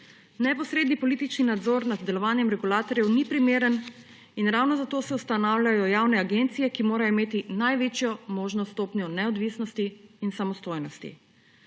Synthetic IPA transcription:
nɛpɔsɾeːd̪nipɔlit̪it͡ʃninad̪zoɾnad̪d̪ɛlɔʋaːnjɛmɾɛɡulaːt̪ɔɾjɛwnipɾimeːɾən | inɾawnɔzat̪oːsɛust̪anaːwlʲjajɔjaːwnɛaɡent̪sijɛkimoːɾajimeːt̪inajʋeːt͡ʃjɔmoːʒnɔst̪oːpnjɔnɛɔd̪ʋisnɔst̪iːnsamɔst̪oːjnɔst̪ḭ

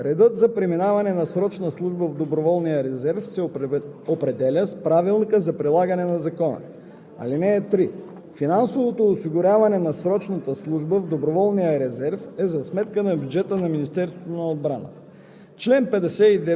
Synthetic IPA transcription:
ɾɛd̪ɤt̪zɐpɾiminavɐnɛnɐsɾɔt͡ʃnəslˠuʒbəvd̪obɾovɔlˠnijəɾɛzɛɾfsɛopɾɛd̪ɛlʲəspɾavilˠnikəzɐpɾilˠaɡənɛnɐzɐkɔnə̰ | ɐ̰linɛːt̪ɾi | finansovot̪oːsiɡʊɾʲavɐnɛnɐsɾɔt͡ʃnɐt̪əslˠuʒbəvd̪obɾovɔlˠnijəɾɛzɛɾfɛzɐsmɛt̪kənɐbjud͡ʒɛt̪ənɐminist̪ɛɾst̪voot̪onɐod̪̚bɾanə̰ | t͡ʃlɛnpɛd̪ɛsɛid̪ɛ

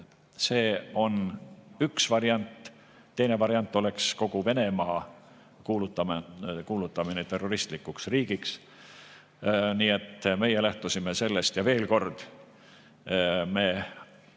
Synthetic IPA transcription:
se̞ːo̞nyksvɑɾiɑnt̪ˑ | t̪ːe̞jne̞vɑɾiɑnt̪ːˑo̞le̞ksko̞ɡ̥uve̞ne̞mɑː | kuːlut̪ːˑɑmkuːlut̪ːˑɑminet̪e̞rːo̞ɾist̪likːuksriːɡ̥iks | niːe̞t̪ːme̞jelæht̪usime̞se̞lːe̞st̪jɑve̞ːlko̞rd̪̥ | me̞ː

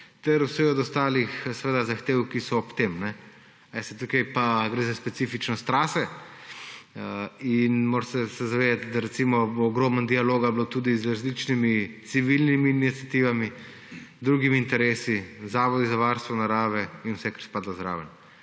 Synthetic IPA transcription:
t̪ɛɾuwsɛɔd̪ɔst̪aːlixsɛʋeːd̪azaxt̪eːwkisɔːpt̪eːmnɛ | ɛst̪ɛt̪ukɛjpaɡɾeːzaspɛt̪sifit͡ʃnɔst̪ɾaːsɛ | inmoːɾsɛsɛzaʋeːd̪at̪d̪aɾɛtsimɔboːɡɾoːmənd̪ialoːɡablot̪ud̪izɾazlit͡ʃnimit̪siʋilnimiːnit̪sijat̪iːʋami | zd̪ɾuːɡimiːnt̪ɛɾeːsizaːʋɔd̪izaʋaɾst̪ʋɔnaɾaːʋɛinwsɛkəɾspaːd̪lazɾa̰ːʋən

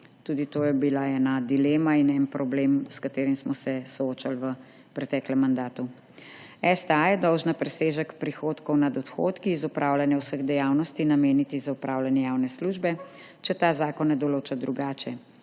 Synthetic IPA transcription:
t̪uːd̪it̪oːjɛbilaɛnad̪ileːmainɛnpɾɔblemskat̪eːɾimsmɔsɛsɔoːt͡ʃalʋə | pɾɛt̪ɛːklɛmːand̪aːt̪u | ɛst̪ajɛd̪ɔwʒnapɾɛseːʒəkpɾixoːt̪kɔwnad̪ɔt̪xo̰ːt̪kiːzɔpɾʔawlanjɛwsəɣd̪ɛjaːwnɔst̪inameːnit̪izaupɾʔawlanjɛjawnɛsluʒbɛ | t͡ʃɛt̪aːzaːkɔnːɛd̪ɔloːt͡ʃad̪ɾuɡaːt͡ʃɛ

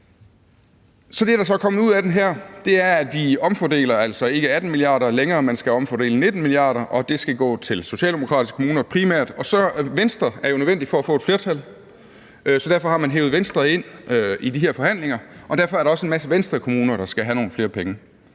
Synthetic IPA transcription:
sɒ̽d̥e̝ɾɑ̈sɒ̽kʰɒ̽mð̩ˠuðˠæd̥enɦæɐ̰d̥e̝æɐæd̥ʋiɒ̽mfɒd̥e̝̰ːlɐæl̰sɒ̽e̝ɡ̥əæd̥n̩miliɑ̰̈ːɾɐleŋɐːmænsɡ̥æɒ̽mfɒde̝̰ːləne̝d̥n̩miliɑ̰̈ːɾɐʔɒ̽d̥e̝sɡ̥æɡ̥ɔ̰ːt͡sʰe̝lso̝ɕɛ̰ːld̥emo̝kʰʁɑ̰d̥isɡ̥ʰomuːnɐpʰʁimæɐ̰d̥ɒ̽sɒ̽ʋensd̥ʁɐæɐjonøðˠʋen̰d̥ifɒ̽æfɔ̽ːe̥fle̝ɐt͡sʰæl | sɒdæɐfɒ̽hɑ̈mænɦḛʊʋensd̥ʁɐe̝n̰idiɦeɐfɒ̽hæn̰leŋɐʔɒ̽d̥æɐfɒ̽ɐɾɑ̈ɒ̽səe̝nmæsəʋensd̥ʁɐkʰo̝muːnɐɾ̥ɑ̈sɡ̥æɦæno̝ːn̩fle̝ːɐpʰeŋə

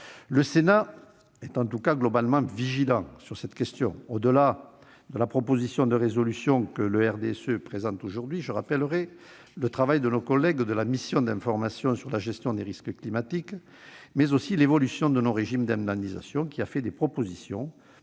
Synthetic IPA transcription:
ləsena | ɛt̪ɑ̃t̪ukaɡlɔbalmɑ̃viʒilɑ̃syʁsɛt̪kʲɛst̪jɔ̃od̪əla | d̪əlapχɔpozisjɔ̃d̪əʁezɔlysjɔ̃kələɛʁd̪eɛsøpχezɑ̃t̪oʒuʁd̪ɥiʒəʁapɛləʁɛ | lət̪χavajd̪ənokɔlːɛɡd̪əlamisjɔ̃d̪ɛ̃fɔʁmasjɔ̃syʁlaʒɛst̪jɔ̃d̪eʁiskəklimat̪ik | mɛzosilevɔlysjɔ̃d̪ənoʁeʒimd̪ɛ̃d̪aniza̰sjɔ̃kʲiafɛd̪epχɔpozisjɔ̰̃

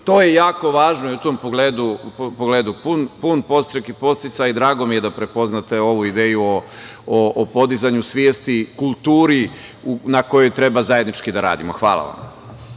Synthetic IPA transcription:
t̪oːje̞jaːko̞ʋaːʒnojiut̪ompoɡleːd̪upoɡleːd̪upunpunpo̞st̪ɾekipo̞st̪it̪sajid̪ɾaːɡo̞mije̞d̪apɾepo̞znat̪e̞o̞ʋuid̪eːjuooːpo̞d̪izaɲusʋjeːst̪ikulˠt̪uːɾiunako̞jo̞jt̪ɾe̞bazaje̞d̪nit͡ʃkid̪aɾa̰ːd̪imoxʋa̰ːla̰ʋa̰m

